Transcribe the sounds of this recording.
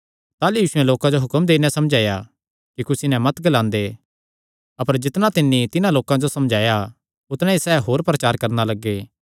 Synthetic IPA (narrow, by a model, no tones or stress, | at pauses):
t̪aːlujiːsʊɛ̃loːkãd͡ʒoɦʊkəmd̪eːnãsɐmd͡ʒʱaːja | kikʊsinɛ̃mɐt̪ɡɐlãːnd̪e | ɐpəɾd͡ʒɪt̪nãt̪ɪnːit̪ɪnãloːkãd͡ʒosɐmd͡ʒʱaːja | ʊt̪nãisɛːɦoːɾpɾɐt͡ʃaːɾkɐɾnalɐɡːeː